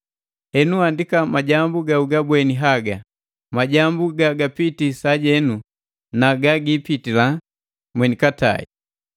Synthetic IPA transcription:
hɛnuandikamaɟambuɡauɡabwɛniɦaɡa | maɟambuɡaɡapitisaɟɛnu | naɡaɡipitila | mwɛnikata̰ḭ

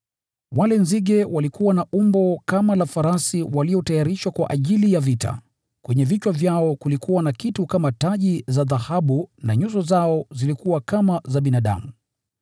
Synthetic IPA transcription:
walɛnziɠɛwalikuwanaʔumbɔkamalafaɾasiwaliɔtajaɾiʃwakwa̰ʔaʄilijavita̰ | kwɛɲɛvit͡ʃwavjaɔkulikuwanakitukamataʄizaðahaɓuna̰ɲuzɔzaɔzilikuwakamazaɓinaɗa̰mu

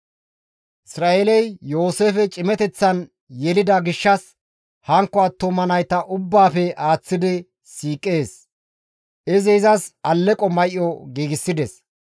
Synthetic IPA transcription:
ʔɪsɾaːʔelɛjjo̞ːseːfɛt͡ʃʼɪmɛt̪ɛt͡sːɐn | jɛlɪd̪ɐɡɪʃːɐs | hɐŋkːɔɐt̪ːɔmɐnɐjt̪ɐʔʊbːaːfɛʔaːt͡sːɪd̪ɪ | siːkʼːe̞ːs | ʔɪzɛɪzɐsɐlːɛkʼɔmɐjʔːɔɡiːɡɪsːɪd̪ɛs

